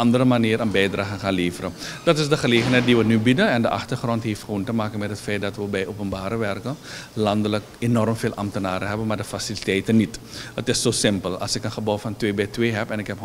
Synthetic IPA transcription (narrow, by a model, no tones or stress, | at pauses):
ɑndəɾəmaniːɾənbɛjdraːɣəχaːnleːvərəd̥ɑtɪsdəχəleːχənɦɛjt̚diʋənybidənɛndəʔɑ̰χtərχrɔntɦeftχəʋoːntəmaːkənmɛtɦətfɛjt̚dɑtʋəbɛjʔoːpənbaːɾəʋɛrkəlɑndələkenɔrmfeːlʔɑ̰mtənaːɾəɦɛbənmaːrdəfasilitɛjtənːitətɪsːoːsɪmpəlˠɑ̰lˠsɪkənχəbɔwfɑntʋeːbɛjtʋeːɦɛpɛnɪkɦɛp